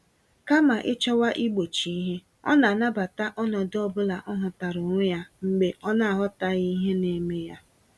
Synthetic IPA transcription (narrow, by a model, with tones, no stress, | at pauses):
ka˦ma˨ʔɪ˦t͡ʃɔ˦wa˦ʔi˦ɡ͡bo˨t͡ʃi˨i˦ɦe˦ | ɔ̰˦na˨na˦ba˨ta˦ʔɔ˦nɔ˨dɔ˦bʊ˦la˨ʔɔ˦ɦʊ˨ta˨ɾʊ˨ŋʷʊ˦ja˦ŋ͡m̩˨ɡ͡be˨ʔɔ˦na˦a˨ɦɔ˦ta˦ɣi˦ɦe˦ne˨me˦ja˦